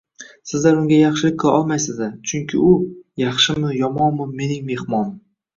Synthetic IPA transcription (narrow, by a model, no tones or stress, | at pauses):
sɪzlaɾʊŋɡʲajɑχʃɪlɪk̚ʲqʰɨlˠʔɒlˠmajsɪzd̪at͡ʃʰʊŋkʲʰɪ̰ʊjɑχʃɪmɪjɒmɒnmʊme̞nɪŋme̞hmɒn